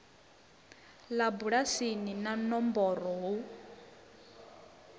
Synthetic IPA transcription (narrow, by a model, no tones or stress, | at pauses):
labuɺasininanɔmbɔɾɔɦu